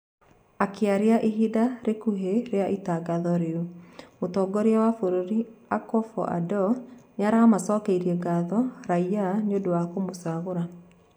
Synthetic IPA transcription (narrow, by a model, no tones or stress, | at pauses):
akeaɾeaʔiɦidaɾekuɦeɾeaʔitaɡaðɔɾeomotɔːɡɔɾeawafoɾoɾiakɔfɔ̰ʔa̰dɔɲaɾamasɔːkeiɾiɛɡaðɔɾaianeodowakomosaɣoɾa